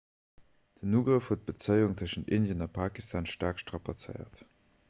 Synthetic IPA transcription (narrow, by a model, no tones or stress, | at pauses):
d̥ənuːɡʁəfhuət̚b̥ət͡səɪuŋtʰəʃəntindjənɑpʰaːkistʰaːnʃtaːkʃtʁɑpat͡sə̰ɪɐ̰t